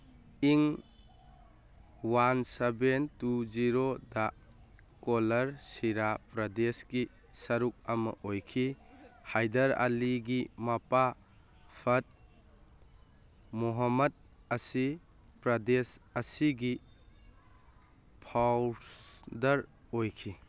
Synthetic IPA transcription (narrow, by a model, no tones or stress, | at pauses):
iŋ | wansebentuziɾoda | kɔlɐɾsiɾapɾɐdesɡi | sɐɾuk̚ɐmɐ̰ʔojkʰihajdɐɾa̰liɡimɐpa | pʰɐt̚ | muɦɔmɐd̚ | ɐsi | pɾɐdesɐsiɡi | pʰawsdɐɾ | ojkʰi